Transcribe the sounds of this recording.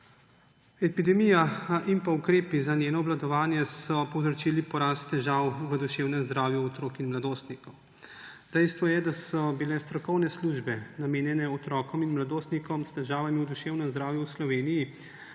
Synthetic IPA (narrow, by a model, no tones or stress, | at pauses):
ɛpid̪ɛmijaʔimpaukɾeːpizanjeːnɔːblad̪ɔʋaːnjɛsɔpɔwzɾɔt͡ʃiːlipɔɾaːst̪t̪ːɛʒaːwʋəd̪uʃeːwnɛmzd̪ɾaːwjuɔt̪ɾoːkinmlad̪oːst̪nikɔw | d̪ɛjst̪ʋɔjɛd̪asɔbilɛst̪ɾɔkɔwnɛsluʒbɛnameːnjɛnɛɔt̪ɾɔːkɔminmlad̪oːst̪nikɔmst̪ɛʒaːʋamiwd̪uʃeːwnɛmzd̪ɾaːwjuwslɔʋeːniji